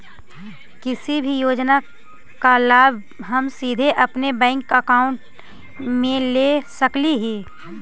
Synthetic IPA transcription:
kɪsibʱijoːd͡ʒna | kalaːbʱ | ɦɐmsiːd̪ʱeʔɐpnebɛ̃ːŋkəkaːʊ̃ɳʈ | mẽleːsəkliɦiː

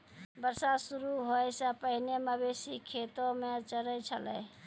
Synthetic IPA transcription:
bəɾsasuɾuɦojsəpəɦineməbesikʰet̪omet͡ʃəɾət͡ʃʰə̰lə̰

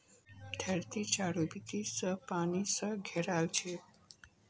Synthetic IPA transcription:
t̪ʰɛɾt̪it͡ʃaɽubit̪isəpañisəɡʱɛɾalt͡ʃʰe

